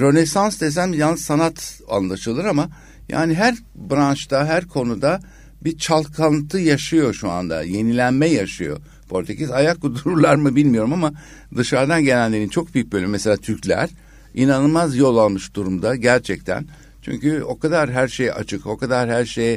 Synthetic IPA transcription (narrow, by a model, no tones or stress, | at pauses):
ɾo̞ne̞sansd̪es̬ænbijanɯsanat̪a̰nlˠaʃɯlˠɯɾama | ja̰ːniɦæɾ | bɾant͡ʃt̪ʰaɦæɾkʰo̞nud̪a | bit͡ʃʰalˠkʰant̪ʰɯjaʃɯjo̞ʃua̰nd̪a̰je̞nilʲænmɛjaʃɯjo̞̰ | pʰo̞ɾʲt̪ʰecisajak̚kud̪uɾuɾlˠaɾmɯbilʲmijo̞ɾumama | d̪ɯʃaɾd̪anɟe̞nænlʲe̞ɾint͡ʃʰo̞k̚byjybølʲymese̞lʲaːt̪ʰyɾcʰlʲæ̰ɾ̥ | inanɯmazjo̞lˠalˠmɯʃd̪uɾumd̪aɟæɾt͡ʃʰɛc̚t̪ʰæ̰n | t͡ʃʰy̰ɲcyo̞kad̪aɾɦæɾʃeja̰t͡ʃʰɯko̞kad̪aɾhæɾʃej